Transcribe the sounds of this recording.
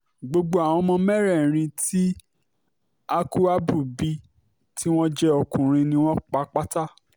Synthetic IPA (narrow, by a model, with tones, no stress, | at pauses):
ɡ͡bo˧ɡ͡bo˧a˨w̃ɔ̃˧˦mɔ̃˧mɛ˦ɾɛ˦˨ɾ̃ĩ˧ti˦ | a˦ku˦a˦bu˦˨bi˦ | tʰi˦w̃ɔ̃˦d͡ʒɛ˦ɔ˧kũ˨ɾ̃ĩ˧nĩ˧˦w̃ɔ̃˦k͡pa˧˦k͡pa˦ta˦